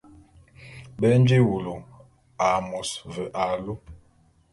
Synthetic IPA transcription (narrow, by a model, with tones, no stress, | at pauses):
bɛ˦n˦d͡ʒi˦wo˨lo˨ | a˨mɔ˨svə˨ʔa˨lo˦